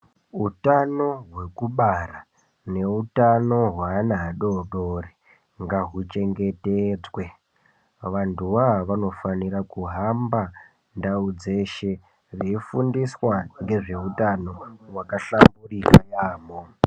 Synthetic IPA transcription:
utano̞ɦwe̞kuɓara | ne̞utano̞ɦwaːnaːɗo̞ɗore | ŋɡaɦut͡ʃe̞ŋɡe̞ted͡zwe̞ | ʋantʰuʋaaʋanofaniɾakuɦamba | ndaud͡ze̞ʃe̞ | reifundiswaŋɡe̞ʐe̞utano̞wakaɬamburikajaːmo

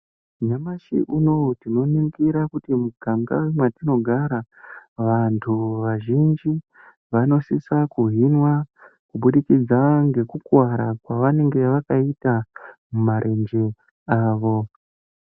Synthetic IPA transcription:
ɲamaʃḭʔuno̞tino̞niŋɡiɾakutimuɡʱaŋɡa̰wemwatino̞ɡʱaɾaʋantʰuʋaʒind͡ʒi | ʋano̞sisakuɦinwakuɓuɗikid͡zaŋɡe̞kukwaɾakwaʋane̞ŋɡeʋakaitamumaɾʔe̞nd͡ʒe | aːʋo̞

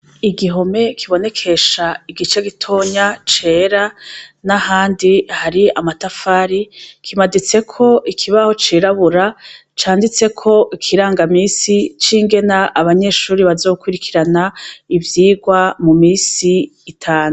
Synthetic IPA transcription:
iɡiɦo̞me̞kʰiβo̞ne̞kʰe̞ʃaiɡit͡ʃeɡitʰo̞ɲat͡ʃe̞ːɾanahaːndihaɾiamatafaːɾikimadit͡se̞kʰo̞ʔikʰiβaho̞t͡ʃiːɾaβuɾa | t͡ʃaːndit͡se̞kʰo̞ʔikʰiɾaːŋɡamiːsit͡ʃiːŋɡe̞naʔːβaɲe̞ʃuːɾiβazo̞ːkuɾikʰiɾanaivjiːɡwamumiːsiːtʰaːnu

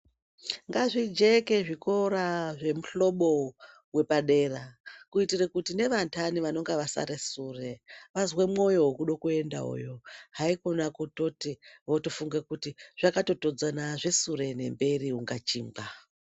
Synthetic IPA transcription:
ŋɡaʐid͡ʒeke̞ʐiko̞ɾaʐe̞muɬo̞ɓo̞ | we̞paɗe̞rakuitirekutine̞ʋantʰaniʋano̞ŋɡeʋasa̰ɾesure̞ʋazwemŋo̞jo̞ɦokuɗokue̞nda̰ṵjo̞ɦaikonakuto̞tiʋoto̞fuŋɡekutiʐ̥akato̞to̞d͡zanaʐe̞suɾe̞ne̞mbe̞riuŋɡat͡ʃiːmɡa

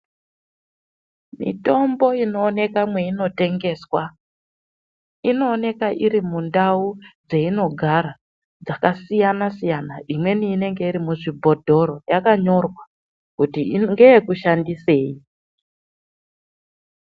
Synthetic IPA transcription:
mḭto̞mbo̞ino̞ːne̞kamwe̞ino̞te̞ŋɡe̞swa | ino̞ːne̞kaʔiɾimundaud͡ze̞ino̞ɡʱaɾa | d͡zakasijanasijanaʔimwe̞niːne̞ŋɡe̞iɾimuʐibʱo̞dʱo̞ɾo̞jakaɲo̞rwa | kutiŋɡe̞jekuʃandise̞ːi

